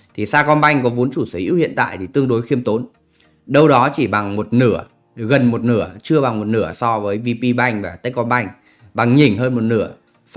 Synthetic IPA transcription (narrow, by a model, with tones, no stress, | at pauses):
t̪ʰi˨˩saː˧kɔ˧nɓa˧jŋ̟kɔ˨˦vu˨˦nt͡ɕu˧˩sə˨˦jʔḭ˧˦˥whḭ˧˨nt̪a̰ː˧˨jt̪ʰi˨˩t̪ɨ˧əŋɗo˨˦jxi˧əmt̪o˨˦n | ɗə˧wɗɔ˨˦t͡ɕi˧˩ɓa˨˩ŋmo˨˩t̚nɨ˧˩ə | ɣə˨˩nmo˨˩t̚nɨ˧˩ət͡ɕɨ˧əɓa˨˩ŋmo˨˩t̚nɨ˧˩əsɔ˧vəː˨˦jvi˧pi˧ɓa˧jŋ̟vaː˨˩t̪ə˨˦˥k̚kɔ˧nɓa˧jŋ̟ | ɓa˨˩ŋɲi˨˩ŋɦəː˧nmo˨˩t̚nɨ˧˩ə